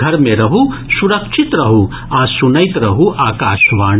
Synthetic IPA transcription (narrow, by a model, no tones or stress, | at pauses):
ɐɾmeɾɐɦusuɾɐkʃʰit̪ɾɐɦu | aːsunɐjt̪ɾɐɦuʔaːkaːʃʋaːɳ